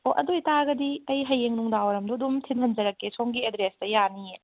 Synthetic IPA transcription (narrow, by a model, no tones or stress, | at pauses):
oʔɐ̰dojtaɡɐdiɐjɦɐjːeŋnuŋdawɐɾɐmduɐdumtʰinɦɐnd͡ʒɐɾɐkːesoŋɡiedɾestɐjanije